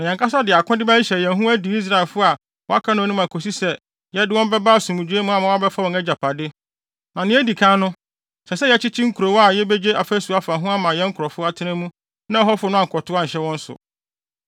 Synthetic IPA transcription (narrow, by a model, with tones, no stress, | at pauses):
mɪ̃˨ɲã˨ŋkʰa˦sa˦dɪ˨a˨kʰʊ̃˦dɪ˦bæ˦i˦ɕɛ˨jɛ̃˨ɦũ˦æ˦du˨i˦s̬ɾa˦˨lfʊ˦a˨ | wɔ̃˦a˦kʰã˦nʊ̃˦˨˦nʊ̃˦mã˨kʰo˨s̬i˦sɛ˦ | jɛ˨˦dɪ˦wɔ̃˦m˦bɛ˦ba˦˨sũ˨mũ˨d͡ʑᶣu˦e˦mʊ̃˦a˨mã˨˦a˦bɛ˦fa˦wɔ̃˨nɛ˦d͡ʑa˨pʰa˨dɪ˦ | nã˨nɪ̃˦æ˦di˨kʰã˦nʊ̃˦ | sɛ˨sɛ˦jɛ˦t͡ɕʰɪ˦t͡ɕʰɪ˦ŋ̩˦kʰu˨ɾo˨wa˨jɛ˦be˦d͡ʑe˦a˨fɛ˦su˨a˨fa˨ɦʊ̃˦a˦mã˨jɛ˦ŋ̩˦kʰʊ˨ɾɔ˨fʊ˦a˨tʰɪ˦næ̃˦mũ˦ | nã˦ɦɔ˦fʊ˨nʊ̃˦ã˦˨ŋ˨kʰɔ˨tʰʊ˦a˦ɲ̩˨ɕɛ˦wɔ̃˦n̩˦sʊ̰˨